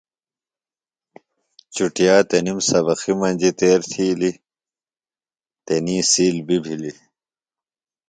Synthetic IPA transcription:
t͡ɕuʈijaːt̪enimsɐbɐximɐnʲd͡ʑit̪eːɾt̪ʰiːli | t̪enĩːsiːlbibʱili

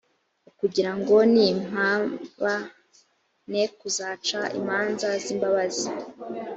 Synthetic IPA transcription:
ukuɟiɾaŋɡo̞nim̥aːβa | nekuzaːt͡ʃaḭmaːnzaziːmbaβazi

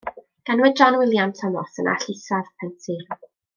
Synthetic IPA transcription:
ɡ̥anwɛd̚d͡ʒɔnwɪlˠjamtʰəmɔsənʔa̰ɬisavpʰɛntʰi

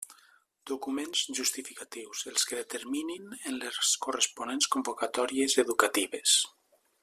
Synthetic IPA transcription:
d̪̥ukumenz̥ʒust̪ifikat̪iwzelˠskeðet̪eɾmininenleskurespunenskombokat̪ɔɾiezeðukat̪iβes

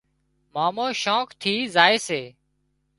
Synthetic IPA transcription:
maːmoːʃõːkt̪ʰiːzaːeːseː

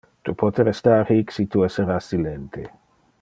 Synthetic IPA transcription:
t̪upʰɔt̪eɾɛst̪aɾhiksit̪uɛseɾasilent̪ʰe

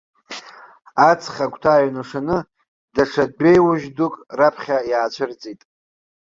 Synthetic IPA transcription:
at͡sʰχʲakʷʰʼtʰaːjɥnaʂanɨ | daʂʰad̚ɡejwuʒdukʼrapʰχʲajaːt͡ɕʷʰɨrt͡sʼitʼ

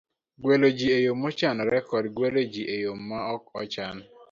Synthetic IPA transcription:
ɡwelod͡ʒiejomɔt͡ʃanɔɾɛkɔdɡwelod͡ʒiʔejomːaɔkɔt͡ʃan

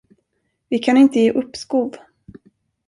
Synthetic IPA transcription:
vɪkʰanɪnt̪əjeːʔɵpːskuːv

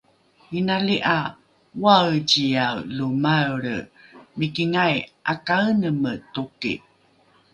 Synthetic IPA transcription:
inaliʔa | wawcijawlumaɾəmikiŋajʔakaənəmətukḭ

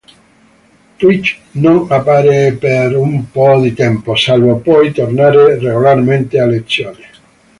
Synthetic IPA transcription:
t̪wit͡ʃnoŋapːaːɾepeɾumpɔd̪it̪ɛmposalvopɔjt̪ornaːɾereɣolarment̪ealːet̪sːjoːne

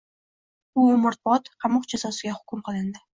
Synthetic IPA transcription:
ʊmʊɾt̪̚bɒt̪qʰɑmʊqd͡ʒasɒsɪɡʲahʊ̥kʰʲʊmqʰɨlˠɪnd̪ɪ

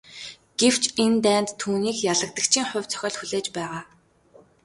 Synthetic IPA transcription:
ɡ̥ew̥t͡ɕʰent̪æːnt̪ʰːuːniːkjaɮə̆k̚t̪ə̆kt͡ɕʰiːŋχʊ̟wʲt͡sʰœ̥xʲɔːɮxuɮeːt͡ɕpæːʁaː

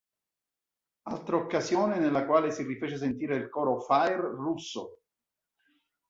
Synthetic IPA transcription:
a̰lt̪ɾookːazjoːnenelːakwaːlesirifeːt͡ʃes̬ent̪iːɾeilkɔːɾofajrrusːo̰

